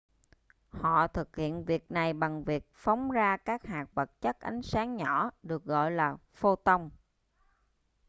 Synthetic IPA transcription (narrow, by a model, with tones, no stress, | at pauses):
hɔ̰˧˨t̪ʰɨ˨˩k̚hḭ˧˨ənvi˨˩ək̚na˨˩jɓa˨˩ŋvi˨˩ək̚fa˨˦wŋ͡mzaː˧kaː˦˥k̚haː˨˩k̚və˨˩t̚t͡ɕə˦˥k̚ʔa˨˦jŋ̟saː˨˦ŋɲɔ˧˩ɗɨ˨˩ək̚ɣɔ̰˧˨jlaː˨˩ | fo˧t̪ə˧wŋ͡m